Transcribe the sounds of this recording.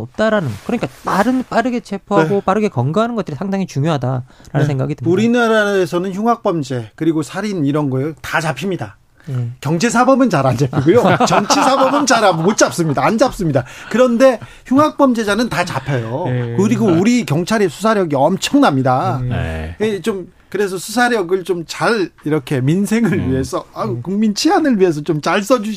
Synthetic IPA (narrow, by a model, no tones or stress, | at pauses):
ʌp̚t͈aɾanɯnɡʌkɯɾʌɲik͈ataɾɯnp͈aɾɯɡe̞t͡ɕʰe̞pʰɦaɡop͈aɾɯɡe̞kʌŋɡɯɦanɯnɡʌt͈ɯɾisʰaŋdaŋit͡ɕuŋjoɦadaɾanɯnsʰeŋɡa̰ɡidɯuɾinaɾaesʰʌnɯnçʰjuŋɦak̚p͈ʌmd͡ʑe̞kɯɾiɡosʰaɾiniɾʌnɡʌjotat͡ɕapʰimɲida | kjʌŋd͡ʑʰe̞s̬ʰabʌbɯnt͡ɕaɾand͡ʑapʰiɡujot͡ɕʌŋt͡ɕʰesʰabʌbɯnt͡ɕaɾabmot͡ɕ͈ap̚s͈ɯmɲidaːnd͡ʑap̚s͈ɯmɲidakɯɾʌnde̞ | çuŋɦak̚p͈ʌmd͡ʑe̞d͡ʑanɯntat͡ɕapʰejokɯɾiɡouɾikjʌŋt͡ɕʰaɾisʰus̬ʰaɾjʌɡiʌmt͡ɕʰʌŋnamɲida | et͡ɕom | kɯɾe̞s̬ʰʌsʰusʰaɾjʌɡɯɭt͡ɕomt͡ɕaɾiɾʌkʰe̞minsʰe̞ŋɯɭɥie̞sʰʌakuŋmint͡ɕʰiɦanɯɭɥie̞s̬ʰʌt͡ɕomt͡ɕaɭs͈ʌd͡ʑu